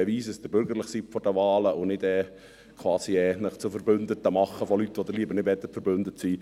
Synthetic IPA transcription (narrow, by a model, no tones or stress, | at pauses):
eʋiːsəsd̥əɾbʏɾɡəɾləχsifɔɾdəʋɑːləʊnɪdɛː | kʰwɑːsiɛːnəχt͡sʊfəɾbʏnd̪ət̪əmɑχːəfɔlyt̪ːʋɔd̪əɾliəbəɾnɪtvɛt̪ːətfəɾbʏnd̪ətsiː